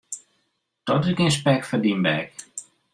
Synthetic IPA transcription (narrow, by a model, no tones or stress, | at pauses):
tɔtɪkɪnspɛkfədimbɛk